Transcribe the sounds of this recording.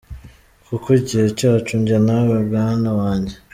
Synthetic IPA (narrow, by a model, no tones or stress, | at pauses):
kukoɟihecaat͡ʃuɲɟanawebɡanawaːɲɟe